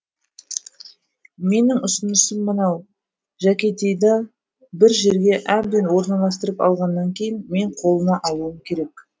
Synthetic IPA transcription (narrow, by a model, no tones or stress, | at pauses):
me̞nɪŋʊsənəsəmːənɑw | ʒækʲet̪ejd̪ɑ | bɪɾʒe̞ɾɡʲe̞ʔæb̚d̪enwo̞ɾnɑlˠɑst̪əɾəpɑ̰lˠʁɑnːɑŋkʲʰe̞jɪnme̞ɴqʰo̞lˠənɑʔɑwəəmkʲʰe̞ɾe̞k